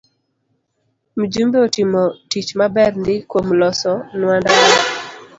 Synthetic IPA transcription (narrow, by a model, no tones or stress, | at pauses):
m̩d͡ʒumbeotɪmɔtit͡ʃmabɛrndɪkwomlɔsɔnwandaa